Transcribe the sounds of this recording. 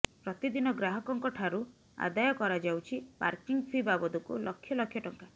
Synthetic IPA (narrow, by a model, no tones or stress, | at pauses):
pɾɔt̪id̪inɔɡɾaɦɔkɔŋkɔʈʰaɾu | a̰d̪ajɔkɔɾad͡ʒawt͡ʃʰipa̰ɾkiŋɡpʰibabɔd̪ukṵlɔkʰːjɔlɔkʰjɔʈɔŋka